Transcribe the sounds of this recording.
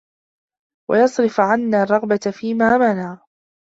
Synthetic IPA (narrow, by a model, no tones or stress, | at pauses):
wa̰jɑsˤɾɪfʕanːaːrˤːɑɣbat̪fiːmaːmanaː